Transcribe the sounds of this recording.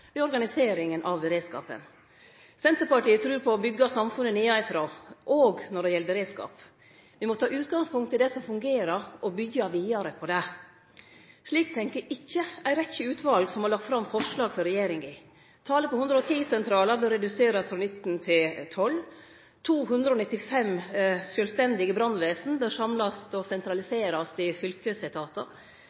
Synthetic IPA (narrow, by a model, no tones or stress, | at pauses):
ʋɪɔɾɡɑnɪseːɾɪŋənʔɑʋɾeːd̪skɑ̰ːpə̰n | sɛnt̪əɾpɑʈiːət̪ʰɾʉːɾpʰɔːbʏɡːɑsɑmfʉnːəniːɑɪfɾoːʔoːɡnɔɖɛjɛləbɛɾeːd̪skɑ̰ːp | ʋɪmɔt̪ʰɑːʔʉːt̪ɡɑŋspʊŋt̪ʰɪld̪ɛsɔmfʉŋɡeːɾəɾʔɔbʏɡːɑʋiːɑɾəpʰɔd̪ɛ | ʂliːkt̪ʰɛŋkəɾɪçːəæɪɾɛçəʉːt̪ʰʋɑlɡsɔmhɑɾɭlɑk̚t̪fɾɑmfɔʂlɑːɡfɔɾɛjeːɾɪŋɪ | t̪ʰɑːləpʰɔhʉnd̪ɾəɔt̪ʰiːsɛnt̪ʰɾɑːləɾbøːɾɛd̪ʉseːɾɑsfɾɔnɪt̪nt̪ʰɪlt̪ʰɔl | t̪ʰuːɦʉnd̪ɾəɔnɪt̪ːɪfɛmsjœlst̪ɛnd̪ɪɡəbɾɑnːʋæːsn̩bøɾʂɑmlɑst̪ɔsɛnt̪ɾɑlɪseːɾɑst̪ɪfʏlkəsɪt̪ʰɑːt̪ə